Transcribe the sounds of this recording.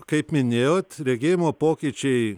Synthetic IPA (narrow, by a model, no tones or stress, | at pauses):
kɐɪpmʲɪnʲeːjoːt̪ɾʲɛɡʲɪːjmoːpoːkʲiːt͡ʃʲɛɪ